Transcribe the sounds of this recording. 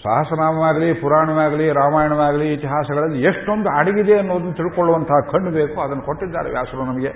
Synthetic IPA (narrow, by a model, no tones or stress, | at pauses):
sa̰ɦɐsɐnaːmɐʋaːɡɐlipuɾaːɳɐʋaːɡɐliɾaːmaːjɐɳɐʋaːɡɐliːt̪iɦaːsɐɡɐɭɐlːieʂʈond̪uaːɽɐɡid̪e̞ɐnːoːd̪ɐnːut̪iɭkoɭːuʋɐnt̪ʰɐɦɐkʰɐɳɖubeːkuɐd̪ɐnːɐkoʈːid̪ːa̰ːɾeʋja̰ːsɐɾunɐmɐɡe